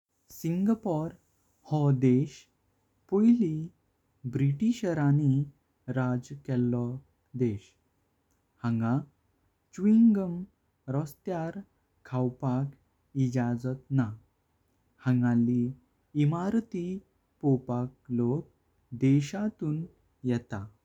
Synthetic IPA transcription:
siŋɡapɔɾ | hɔd̪eɕ | pojli | bɾiʈiɕəɾani | ɾad͡zkɛlːɔ | d̪eɕ | hãŋɡa | t͡ɕʋiŋɡəm | ɾɔst̪jaɾ | kʰawpak | id͡ʑad͡zət̪na | hãŋɡãliː | maɾt̪i | pɔpak̚lok̚ | d̪ɛɕat̪uːn | jɛt̪a

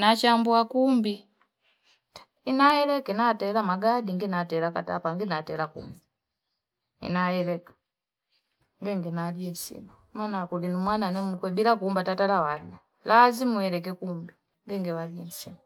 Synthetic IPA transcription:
nat͡ʃambuakumbi | inajɛlɛkɛnatɛlamaɡadiŋɡinatɛlaka̰ta̰paŋɡinatɛlakṵmbi | ḭnajɛlɛkḁ | ŋɡɛŋɡɛnaliɛnsḭmu | manakulinumwananɛmukwɛbilakumbatatalawala | lazimuɛlɛk̬ɛkumbi | ŋɡɛŋɡɛwaliɛnsimu

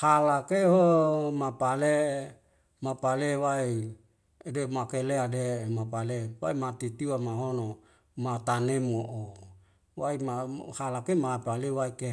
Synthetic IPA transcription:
halakeɦomapale | mapalewai | demakeleademapalewaimat̪it̪iwamaɦono | mat̪anemoʔo | waimahalakemapalewaike

